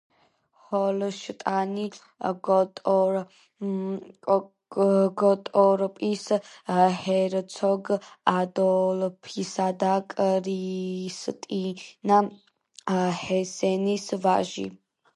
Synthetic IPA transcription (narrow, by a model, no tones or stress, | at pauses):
χɔlʃt̪ʼani | ɡɔtʼɔɾ | ɡɔt̪ʼɔɾpʼis | ħɛɾt͡sʰɔɡad̪ɔlpʰisad̪akʼɾist̪ʼina | ħɛsɛnisva̰ʒḭ